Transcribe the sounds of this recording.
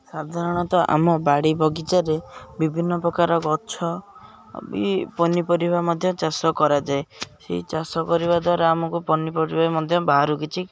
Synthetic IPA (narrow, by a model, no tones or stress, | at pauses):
sad̪ʱaɾɔɽ̃ɔt̪ɔʔa̰mɔbaɽibʱɔɡit͡ʃaɾebibʱinːɔpɾɔkaɾɔkɔt͡ʃʰɔ | bipɔnipɔɾibʱamɔd̪ʱjɔt͡ʃasɔkɔɾad͡ʒaesḛit͡ʃasɔkɔɾiβad̪ʱwaɾɔamɔkupɔnipɔɾibamɔd̪ʱjɔbaɦaɾukit͡ʃʰi